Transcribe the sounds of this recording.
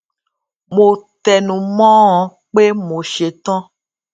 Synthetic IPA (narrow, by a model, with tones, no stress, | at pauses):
mo˧t̪ɛ˨nũ˨mɔ̃˦ɔ̃˨˦ | k͡pe˦mo˨˧ʃe˨˧t̪ɔ̃˦